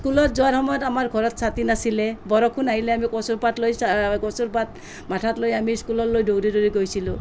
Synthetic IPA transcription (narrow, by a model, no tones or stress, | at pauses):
skulɔt̚zɔaɹhɔmɔjɔtamaɹɡʱɔɹɔtsatinasilɛbɔɾɔkʰunaɦilɛamikɔsuɹpatlojsakɔsuɹpat̚ | matʰatlojamiskulɔtlojdowɾidoɾiɡojsilʊ̃